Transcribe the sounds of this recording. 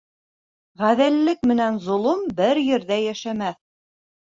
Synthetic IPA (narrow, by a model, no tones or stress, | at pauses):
ʁæðɘ̆lːɘk̚mɘ̆nænzŏlˠumbɘɾjɘ̆ɾðæjæʃæmæθ